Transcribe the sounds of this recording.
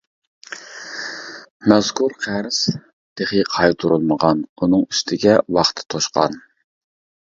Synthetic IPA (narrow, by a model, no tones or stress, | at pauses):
mɛz̥kʰuɾqʰæɾs | d̪̥eχiqʰɑjt̪ʰuɾulˠməʁɑnunɨŋyst̪ʰɪɡʲɛwɑχt̪ʰɨ̥t̪ʰoʃqʰɑ̰n